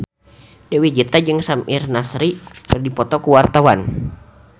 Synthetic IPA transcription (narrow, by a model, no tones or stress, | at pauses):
dɛwid͡ʒit̪ad͡ʒɨŋsamʔirnasɾipərdipɔt̪ɔkuwart̪awan